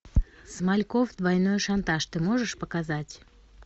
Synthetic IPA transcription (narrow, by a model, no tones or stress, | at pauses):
smalʲkovd̪vɐjnojʂant̪aʂt̪ɨmoʐɨʂpəkazatʲ